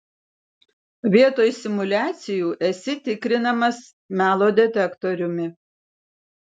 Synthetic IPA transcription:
ʋʲiɛt̪oːjsʲɪmʊlʲæːt̪sʲɪjuːʔɛsʲɪt̪ʲɪkɾʲɪnɐmɐs | mʲæːlˠoːd̪ʲɛt̪ʲɛkt̪ɔɾʲʊmʲɪ

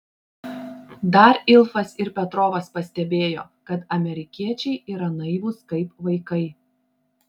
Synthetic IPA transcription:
d̪ɐɾɪlˠfɐsɪɾpʲɛt̪ɾoːʋɐspɐsʲt̪ʲɛbʲeːjo̰ːkɐt̪ɐmʲɛɾʲɪkʲiɛt͡ʃʲɛɪʔiːɾɐnɐɪʋʊːskɐɪpʋɐɪkɐɪ

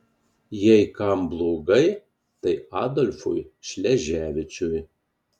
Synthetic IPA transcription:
jɛjkɐmblˠoːɡɐɪ | t̪ɐɪɑːd̪ɔlʲfʊjʃʲlʲɛʒʲæːʋʲɪt͡ʃʲʊj

